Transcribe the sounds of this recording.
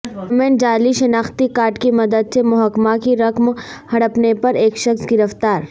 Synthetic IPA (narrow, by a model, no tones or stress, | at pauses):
mẽːɳd͡ʒaːliʃɐnaːxt̪ikaːɾʈkimɐd̪əd̪̚semʊɦəkmakiɾɐkmhɐɽəpnepɐɾeːkʃɐksɡɪɾəft̪aːɾ